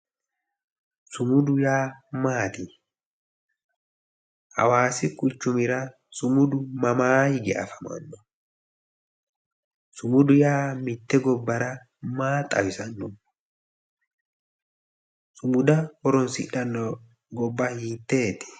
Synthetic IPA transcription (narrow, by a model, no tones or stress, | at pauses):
sʊmʊd̪ʊjaːmaːt̪i | ʔɐ̰waːsɪkʼʊt͡ʃːʊmɪɾɐ | sʊmʊd̪ʊmɐmaːjɡɛʔɐ̰fɐmɐ̰nːɔ | sʊmʊd̪ʊjaːmɪt̪ːɛɡɔbːɐɾɐ | maːt̪ʼɐ̰wɪsɐnːɔ | sʊmʊd̪ɐhɔɾɔnsɪɗɐnːɔ | ɡɔbːɐhiːt̪ːeːt̪ːe̥